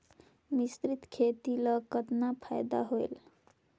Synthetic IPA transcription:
mist̪ɾit̪kʰet̪ilʌkət̪napʰajd̪a̰ɦoḛl

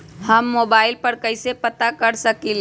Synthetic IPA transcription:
hɐmːoːbaːɪlpəɾkəɪsepət̪akɐɾsəkil

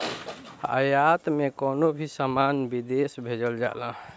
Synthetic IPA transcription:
a̰jat̪mekonobʱisəmanbid̪esbʱed͡ʒəld͡ʒa̰lã

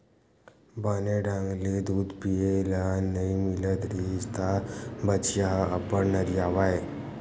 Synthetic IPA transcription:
baneɖãŋɡlid̪uːd̪pielanəimilət̪ɾist̪abət͡ʃjaɦəpəɽnəɾijaʋaj

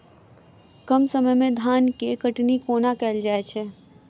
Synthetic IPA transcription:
kəmsəməjmẽd̪ʱaːnkekəʈnikoːnakɛːld͡ʒaːet͡ʃʰɛː

